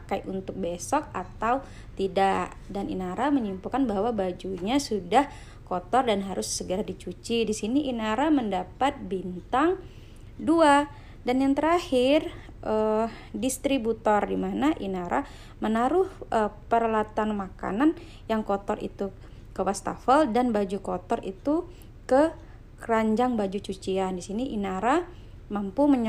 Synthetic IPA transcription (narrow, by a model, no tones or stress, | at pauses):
pakajʔunt̪ʊk̚besɔk̚at̪aw | t̪idaʔ | danḭnaɾaməɲimpukanbaɦwabad͡ʒuɲasudah | kɔt̪ɔrdanɦaɾʊsːəɡəɾadit͡ʃut͡ʃidisiniʔinaɾaməndapat̪̚bint̪aŋ | dua | danjaŋt̪əɾahɪr | ʔədist̪ɾibut̪ɔrdimanaʔinaɾa | mənaɾʊhʔəpəɾalat̪anmaka̰nan | jaŋkɔt̪ɔrḭt̪u | kəwast̪a̰fəldanbad͡ʒukɔt̪ɔrḭt̪u | kə | kraɲd͡ʒaŋbad͡ʒut͡ʃut͡ʃiandisiniʔinaɾa | mampuməɲ